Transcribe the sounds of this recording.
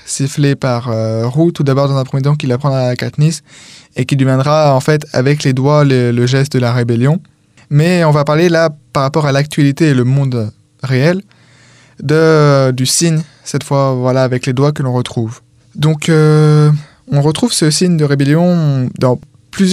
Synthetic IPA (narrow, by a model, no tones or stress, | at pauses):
siflepaʁøʁut̪ud̪abɔʁd̪ɑ̃zɛ̃pχəmjet̪ɑ̃k̬ilapχɑ̃d̪ʁakat̪nisekʲid̪ymɛ̃d̪ʁaɑ̃fɛt̪a̰vɛkled̪walələʒɛst̪̚d̪əlaʁebeljɔ̃ | mɛɔ̃vapaʁlelapaʁːapɔʁalak̚t̪ɥalit̪eːləmɔ̃d̪ | ʁeɛl | d̪əd̪ysiɲ | sɛt̪fwavwalaːvɛkled̪wakəlɔ̃ʁət̪χuv | d̪ɔ̃kø | ɔ̃ʁət̪χuvsəsiɲd̪əʁebeljɔ̃d̪ɑ̃ | plyzj